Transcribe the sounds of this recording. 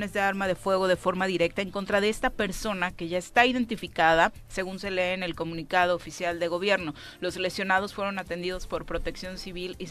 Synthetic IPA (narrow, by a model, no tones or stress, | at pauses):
ne̞zðe̞aɾmað̞e̞fwe̞ɣ̞o̞ð̞e̞fo̞ɾmaðiɾe̞k̚t̪aeŋko̞nt̪ɾað̞e̞est̪ape̞ɾso̞nake̞ʝae̞st̪aiðe̞nt̪ifikaða | se̞ɣunse̞le̞ːne̞lko̞mũnikað̞oːfisjald̪e̞ɣ̞o̞βje̞ɾno̞ | lo̞sle̞ksjo̞nað̞o̞sfwe̞ɾo̞nat̪e̞nd̪iðo̞spo̞ɾpɾo̞t̪e̞ksjo̞nsiβ̞ili